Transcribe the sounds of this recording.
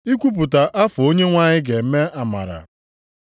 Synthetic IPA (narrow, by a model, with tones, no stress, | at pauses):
i˦kʷu˦p̬ʊ˨ta˨ʔa˦fʊ˨o˦ɲe˦ŋʷa˦ɲɪ˦ɡe˨˦me˦a˨ma̰˨ɾa̰˨